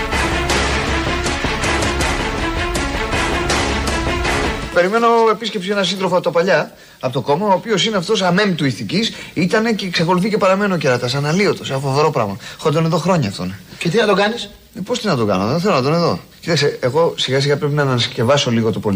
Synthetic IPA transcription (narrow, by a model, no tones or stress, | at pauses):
pe̞ɾime̞no̞e̞pisce̞psie̞nɐsinðɾofoɐpot̪opɐʎɐ | ɐpo̞t̪oko̞mɐoːpio̞sineɐft̪o̞sɐme̞mt̪uiθicisit̪ɐne̞ce̞ksɐko̞luθice̞pɐɾɐme̞noceɾɐt̪ɐsɐnɐlio̞t̪osfoveɾo̞pɾɐ̰ɣmɐxod̪one̞ðo̞xɾo̞ɲɐːft̪o̰necet̪inɐt̪oɡɐnis | epost̪inɐt̪oɡɐ̰noðθe̞lonɐt̪o̞ne̞ðo̞̰cit̪ɐkseːɣo̞siɣɐsiɣɐpɾe̞pinɐnɐnɐsce̞vɐso̞liɣot̪opol